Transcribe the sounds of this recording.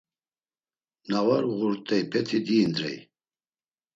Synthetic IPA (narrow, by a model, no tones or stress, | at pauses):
navaɾʁuɾt̪ʼɛjpʰɛt̪ʰid̪iːnd̪ɾɛ̰j